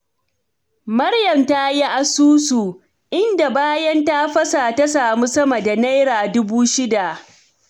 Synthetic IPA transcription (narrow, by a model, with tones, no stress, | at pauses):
mɐ˦ɽjɐ˨mta˦ji˦ʔa˨suː˦su˨ | ʔɪ˦nda˨baː˦jɐ˦nta˦ɸɐ˦sa˨ta˦saː˨mu˦sɐ˦mɐ˨da˨na˦jɾaː˨dʊ˦buː˦ʃɪ˦da˨ʔ